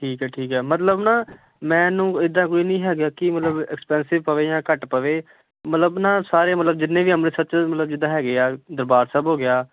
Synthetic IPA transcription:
ʈʰiːkɦɛːʈʰiːkɦɛːmət̪ləbnaː | mɛ̃ːnũːɪd̪ːãːk̬oːiːnəĩːɦɛːɡjaːkɪmət̪ləbɛkspɛ̃ːnsɪʋpəʋeːjãːkəʈpəʋeː | mət̪ləbnãːsaːɾeːmət̪ləb̚d͡ʒɪnːẽːʋiːəmneːsət͡ʃmət̪ləb̚d͡ʒɪd̪ãːɦɛːɡɪaːd̪əɾbaːɾsəbɦoːɡɪjaː

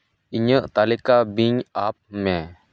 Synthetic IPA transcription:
iɲəʔt̪alikabiɲap̚mɛ

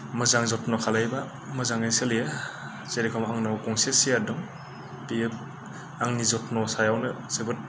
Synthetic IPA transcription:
mɯzaŋzɔtnɔkʰalajba | mɯzaŋajselija | zeɾikʰɔmaŋnawkɔŋsesijadɔŋ | piep̚ | aŋnizɔtnɔsajawnɯsebɯt̚

